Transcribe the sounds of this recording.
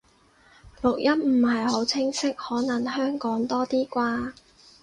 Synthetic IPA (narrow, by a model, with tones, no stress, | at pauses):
lʊ˨k̚jʔɐ˥m̚m̩˨˩hɐ˨jho˨˥wt͡sʰɪ˥ŋsɪ˥k̚hɔː˨˥nɐ˨˩ŋɦœː˥ŋkɔː˨˥ŋt̪ɔː˥t̪iː˥kʷaː˧